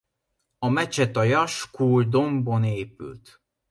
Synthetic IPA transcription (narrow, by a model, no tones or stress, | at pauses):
ɒmɛt͡ʃɛt̪ɒjɒʃkʰuːld̪o̞mbo̞neːpy̰lt̪